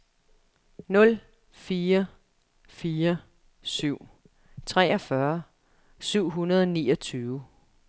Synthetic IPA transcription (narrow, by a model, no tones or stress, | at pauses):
nɔ̽l | fiːɐ | fiːɐ | syʊ̰ | t͡sʰʁɛːɒfɶɐ | syʊ̰ɦunɐð̞ˠɒnḭːʌt͡sʰyːʊ